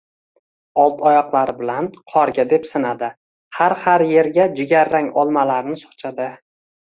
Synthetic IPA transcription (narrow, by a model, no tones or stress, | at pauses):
ɒlˠt̪ʰɒjɒqlˠaɾɪbɪlanqʰɒɾɡʲad̪e̞psɪnad̪ɪ | haɾhaɾje̞ɾɡʲad͡ʒɪɡʲaɾːaŋɒlˠmalaɾnɪsɒ̥χt͡ʃʰad̪ɪ